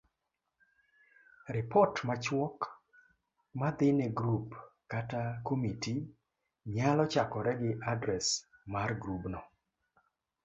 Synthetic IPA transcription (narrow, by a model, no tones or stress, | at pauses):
ɾɪpɔtmat͡ʃwɔk | mad̪ɪneɡɾupkatakomiti | ɲalɔt͡ʃakɔɾɛɡɪʔadɾɛsmarɡɾubnɔ